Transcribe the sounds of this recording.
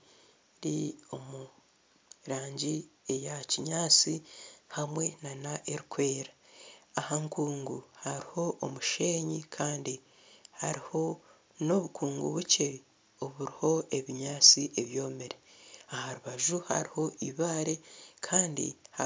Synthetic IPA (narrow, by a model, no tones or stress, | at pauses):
ɾio̞mu | ɾaːɲɟiejaciɲaːt͡sihamwe̞nanaʔe̞ɾikwe̞ːɾaahaŋkuːŋɡuhaɾiho̞ʔːmuʃe̞ːɲikʰaːndi | haɾiho̞ | no̞βukʰuːŋɡṵβuce̞ | oβuɾiho̞e̞βiɲaːt͡siʔe̞βjo̞ːmeɾeahaɾuβaʒuha̰ɾiho̞ʔiβaːɾe̞kʰaːndḭha